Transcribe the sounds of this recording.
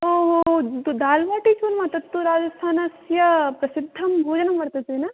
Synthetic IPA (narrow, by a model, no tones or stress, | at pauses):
oːɦod̪aːlʋaːʈit͡ʃʰuːɾmɐt̪ɐt̪ːuɾaːd͡ʒɐst̪ʰaːnɐsjɐpɾɐsɪd̪ʱːɐmbʱoːd͡ʒɐnɐmʋɐɾt̪et̪enɐ